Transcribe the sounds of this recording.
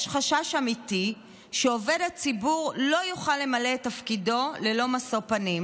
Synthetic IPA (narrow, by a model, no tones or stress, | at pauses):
jʃχaʃaʃamiti | ʃeove̞dat͡sibuʁlo̞juχalːe̞maletːafkido̞lelo̞masopanim